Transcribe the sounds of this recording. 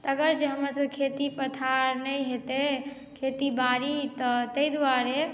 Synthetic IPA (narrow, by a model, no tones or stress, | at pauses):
t̪əəɡəɾd͡ʒeɦəməɾsəkʰet̪ipət̪ʰaɾnəjɦet̪e | kʰet̪ibaɾit̪ɔt̪əjd̪ʋaɾe